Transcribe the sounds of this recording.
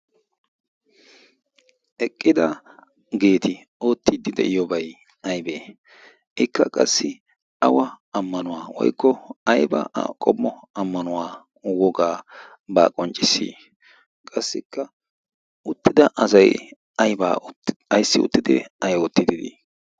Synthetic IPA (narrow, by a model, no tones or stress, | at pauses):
ʔɛkʼːɪd̪ɐ | ɡe̞ːt̪ɪ | o̞ːt̪ːɪd̪ɪd̪ɛ̰ʔɪjɔbɐj | ɐjbeː | ɪkːɐkʼɐsːɪ | ɐwɐ | ɐmːɐnʊwaːwɔ̰jkːɔɐjbɐ̰kʼɔmːɔɐmːɐnʊwaː | wɔɡaː | ba̰ːkʼɔnt͡ʃʼːɪsːḭː | kʼɐsːɪkːɐ | ʊt̪ːɪd̪ɐʔɐsɐj | ɐjba̰ːɐjsːɪʊ̰t̪ːɪd̪ɪ̰ɐjɔːt̪ːɪd̪ɪd̪ḭ